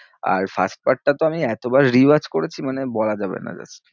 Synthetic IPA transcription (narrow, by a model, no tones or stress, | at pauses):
a̰ɾfa̰sʈ̚paɾʈ̚ːat̪oamiɛt̪obaɾɾiaɾd͡ʑkoɾet͡ɕʰimanebɔlad͡ʑabḛna̰d͡ʑa̰t͡ɕʰːe̥